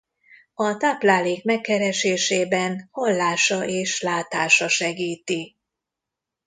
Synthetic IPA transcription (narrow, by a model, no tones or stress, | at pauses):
ɒt̪aːplaːleːkmɛkːɛɾɛʃeːʃeːbɛnhɒlːaːʃɒʔeːʃlaːt̪aːʃɒʃɛɡiːt̪i